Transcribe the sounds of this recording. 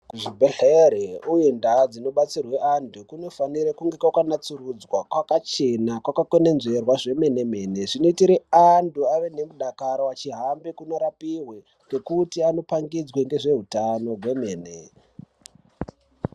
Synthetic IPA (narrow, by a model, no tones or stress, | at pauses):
kuʐibʱeɬeɾeujendad͡zino̞ɓat͡sirwe̞antukuno̞faniɾakuŋɡe̞kwakwanat͡surud͡zwakwakat͡ʃe̞nakwakako̞ne̞nze̞rwaʐe̞me̞ne̞me̞ːne̞ʐino̞itiɾeantuaʋe̞ne̞muɗakaɾoat͡ʃiɦambekunoɾapiɦwe̞ | ke̞kutiano̞paŋɡid͡zweŋɡe̞ʐe̞ɦutano̞ɦwe̞me̞ːne̞̰